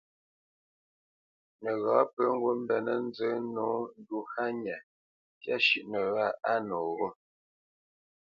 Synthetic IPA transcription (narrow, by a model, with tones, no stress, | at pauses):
nə˨ɣɔː˨˦pə˦ŋ̩˦ɡwə˦m˦bɛ˨nə˦n̩˦d͡zə˨˦no˨˦n̩˦du˦ha˦ɲɛ˨ | kja˦ʃi˦˨ʔnə˨ɣa˦˨a˦nɔ˨ɣo˦